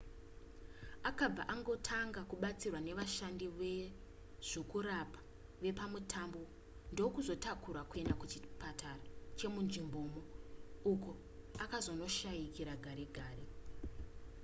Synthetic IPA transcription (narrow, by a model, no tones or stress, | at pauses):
akab͡va̰ʔaŋɡo̞tʰaŋɡakuɓat͡sirwane̞ʋaʃandiʋe | ʐ̥okuɾapḁ | ʋe̞pamutʰambo | ndo̞kuzo̞takuɾakue̞ndakut͡ʃipatʰarat͡ʃe̞munʐimbo̞ːmouko̞ | akazo̞no̞ʃaikiɾaɡʱaɾe̞ɡʱaːre